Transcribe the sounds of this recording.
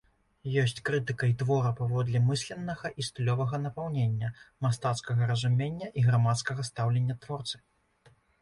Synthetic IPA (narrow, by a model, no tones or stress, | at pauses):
jɔsʲt͡sʲkɾɨt̪ɨkɐit̪vɔɾɐpavɔd̪lʲimɨsʲlʲɛnːɐɣɐʔist̪ɨlʲɔvɐɣɐnɐpawnʲenʲːɐmast̪at̪skɐɣɐɾɐzumʲenʲːɐʔiɣɾamat̪skɐɣɐst̪awlʲenʲːɐt̪vɔrt̪sɨ̥